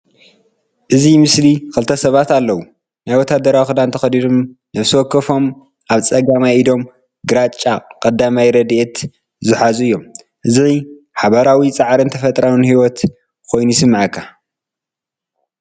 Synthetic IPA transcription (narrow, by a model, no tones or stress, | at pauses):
ʔɨzimɨslikʰɨlt̪ʰɐsɐβat̪alːɐwu | najwɔt̪ʰːad̪ɐɾawixɨd̪ant̪ʰɐxɐd̪iɾomnɐβswɔkːɨfo̞m | ʔaβt͡sʼɐɡamajid̪o̞m | ɡɨɾat͡ʃʼːakʼɐd̪ːamajɾɐd̪iʔet̪ | zɨħazuɨjːo̞m | ʔɨzi | ħaβaɾawit͡sʼaʕɾɨnt̪ʰɐfɐt̪ʼɾawɨnhiwɔt̪ | kʰo̞jnujɪsɨmːaʕakʰːa